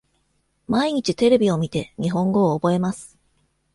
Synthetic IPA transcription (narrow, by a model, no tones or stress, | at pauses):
maiɲ̟it͡ɕit̪e̞ɾe̞bʲio̞mʲit̪e̞ɲ̟iɦõ̞ŋɡo̞ːbo̞e̞masɨ̥